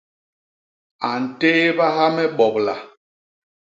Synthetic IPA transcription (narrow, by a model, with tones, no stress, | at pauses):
a˨n̩˨te˦ba˦ɦa˦mɛ˦ɓɔ˨p̚la̰˨